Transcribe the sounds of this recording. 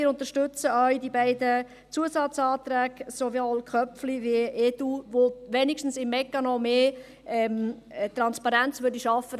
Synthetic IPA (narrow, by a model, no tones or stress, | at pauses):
ɪɾʊnt̪əʃtʏt͡səœʏdibɛɪdə | t͡suəsɑt͡sɑːt̪ɾæːɡsoʋiɔlkʰχœpfliʋiʔeduvoʋɛnɪkʃtn̩sɪmːɛkːɑnɔmeː | ɛm | t̪ɾɑnspɑɾænt͡sʋʏɾdiʃɑfːə